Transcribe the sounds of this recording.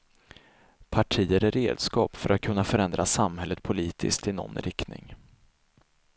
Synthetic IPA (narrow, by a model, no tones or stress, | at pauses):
pʰaʈʰiːəɾæɾeːd̪skɑːpfœɾʔat̪̚kʰɵnːafœɾɛnd̪ɾasamhɛlːət̪̚pʰʊliːt̪ʰɪ̰skt̪ɪnɔ̰nːɾɪkt̪nɪ̰ŋ